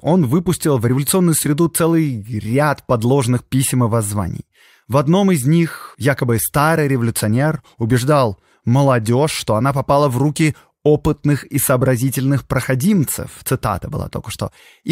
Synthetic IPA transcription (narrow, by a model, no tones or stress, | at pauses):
o̞nvɨpʊsʲtʲɪlˠvɾʲɪvəlʲʊt̪ɨo̞nːʊjʊsɾʲɪd̪ut̪sɛlˠɨjɾʲat̪pɐd̪lˠo̞ʐnɨxpʲisʲməvɐzva̰nʲɪ̰j | vɐd̪no̞mɪzʲnʲixjakəbɨst̪aɾɨjɾʲɪvəlʲʊt̪sɨɐnʲer | ʊbʲɪʐd̪alˠ | məlˠɐdʲo̞ʂːt̪o̞ɐnapɐpalˠəvrukʲɪ | o̞pɨt̪nɨxisəːbɾɐzʲitʲɪlʲnɨxpɾəxɐdʲimt̪sɨ̰ft̪sɨt̪a̰t̪əbɨ̰lˠa̰t̪o̰kə̥ʂt̪o̞̰